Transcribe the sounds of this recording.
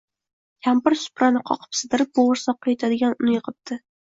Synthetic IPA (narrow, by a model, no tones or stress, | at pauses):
kʲʰampɪɾsʊ̥pɾanɪqʰɒ̰qʰɨ̥psɨd̪ɪɾɪp̚boʁʊɾsɒqːɑjet̪ʰad̪ɪɡʲanʊnɪjɨqʰɨp̚t̪ʰɪ